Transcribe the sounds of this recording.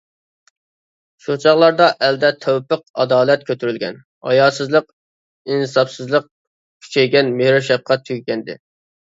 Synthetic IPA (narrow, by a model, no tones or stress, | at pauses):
ʃot͡ʃʰɑʁlˠɑɾd̪ɑʔɛld̪ɛt̪ʰøwpəq̚ɑd̪ɑːlˠɛt̪̚kʲʰøt̪ʰyɾylɡʲɛ̰n | ɑ̰jɑːsɨzlˠəq | inɨsɑpsɨzlˠəq̚ | kʲʰy̥t͡ʃʰɛjɡʲɛnmehɾuʃɛp̚qɑt̪ʰykʲɡʲɛnd̪ɪ̰